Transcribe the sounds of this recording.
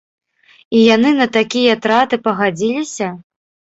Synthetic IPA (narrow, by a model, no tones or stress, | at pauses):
ijanɨnɐt̪akʲijɐt̪ɾat̪ɨpɐɣad͡zʲilʲisʲɐ